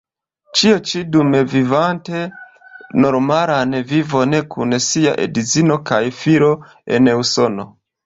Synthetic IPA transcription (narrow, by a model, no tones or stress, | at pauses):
t͡ʃiot͡ʃidumevivante | no̞ɾmaɾanevivo̞nekʰunsia̰ʔḛdizino̞kajfiɾo̞ | e̞̰neuso̞no̞